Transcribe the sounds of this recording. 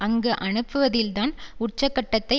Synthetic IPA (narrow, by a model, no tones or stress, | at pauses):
ʔɐŋɡɯʔɐɳɯpːɯʋɐðɪlt̪aːnʊʈ̚t͡ʃːɐkːɐʈːɐt̪ːɐɪ